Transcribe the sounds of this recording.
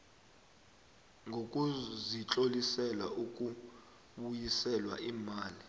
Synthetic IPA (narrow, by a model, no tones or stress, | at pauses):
ŋʱok̬ʼuzit͡ɬʼolisɛla̰ʔuk̬ʼu | ɓujisɛlwa̰ʔimaːli